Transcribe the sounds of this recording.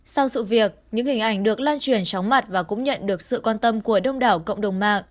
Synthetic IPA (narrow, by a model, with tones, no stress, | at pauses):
sa˧wsɨ̰˧˨vi˨˩ək̚ɲɨ̰˧˥ŋhï˨˩ŋ̟ʔa˧˩jŋ̟ɗɨ˨˩ək̚laː˧nt͡ɕwi˧˩ənt͡ɕɔ˨˦wŋ͡mma˨˩t̚vaː˨˩kʊ̰˧˥ŋ͡mɲə̰˧˨nɗɨ˨˩ək̚sɨ̰˧˨kwaː˧nt̪ə˧mku˧˩əɗə˧wŋ͡mɗaː˨˩wkə̰˧˨wŋ͡mɗə˨˩wŋ͡mma̰ː˧˨ʔ